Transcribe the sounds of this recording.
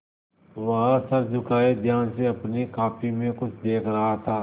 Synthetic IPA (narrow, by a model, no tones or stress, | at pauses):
ʋɐɦãsɐɾd͡ʒʊkaːed̪ʱjaːnseɐpnikaːpʰimẽkʊt͡ʃʰd̪eːkʰɾɐɦat̪ʰaː